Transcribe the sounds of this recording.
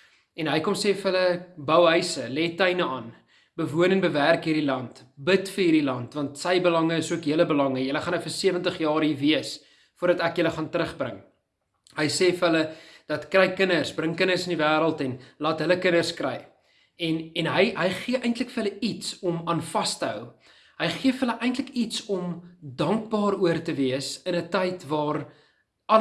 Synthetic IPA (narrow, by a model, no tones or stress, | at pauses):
ɛnɦəjkɔmseːfəɦələbœwɦœɥsəlɛtəjnəɑːn | bəvuənɛnbəværkɦiːrdilɐnt | bətfərɦiːrdilɐntvɐntsəjbəlɐŋəəsuəkɦjiələbəlɐŋəjələχɐnəfərsiəvəntəχjɑːɾiːviəs | fuərdɐtækjələχɑntəɾəχbrə̰ŋ | ɦəjseːfəɦələd̥ɐtkrɛjkənərsbrəŋkənərsənivæːɾəlˠtɛnlɑːtɦələkənərskrɛ̰j | ɛnɛnɦəjɦəjχiəʔɛjntləkfərɦələitsɔmɑːnfɐstəɦœ̰w | ɦəjχiəfəɦələʔɛjntləkitsɔmdɐŋk̚bɑːɾuərtəviəsənətəjtvɑːr | ɐ